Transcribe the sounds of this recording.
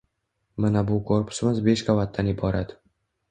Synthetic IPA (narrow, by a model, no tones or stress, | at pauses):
manabʊkʰoɾpʰʊ̥sɪmɪzbe̞ʃkʰavat̪̚ːanɪbɒɾad̪